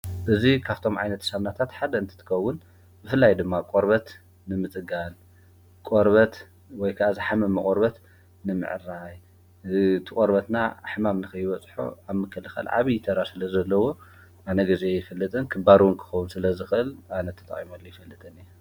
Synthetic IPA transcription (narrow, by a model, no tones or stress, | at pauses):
ʔɨzikʰaβt̪ʰo̞mʕajnɐt̪saβnat̪ʰat̪ħad̪ɐɨnt̪ʰɨ̥t̪ʰɨ̥kʰɐwːʊn | bɨfɨlːajd̪ɨmːakʼoɾbɐt̪ | nɨmɨt͡sʼɨɡan | kʼoɾβɐt̪ | wɔjkʰaʔazɨħamɨmːɐkʼoɾbɐt̪ | nɨmɨ̰ʕɨ̰ɾaj | t̪ʰɨkʼoɾbɐt̪naħɨmamnɨxɐjɪβɐt͡sʼħṵaβmɨkʰːɐlɨxɐ̰lʕa̰βijɪt̪ʰɐɾasɨlɐzɐlːɐwo̞ | ʔanɐɡɐziejɪfɐlːɨt̪ʼɨnkʰɨbaɾuwunkʰɨ̥xɐwunsɨlɐzɨxɨʔɨlʔanɐt̪ʰɐt̪ʼɐ̰χʼimolːojɪfɐlːɨt̪ʼɨni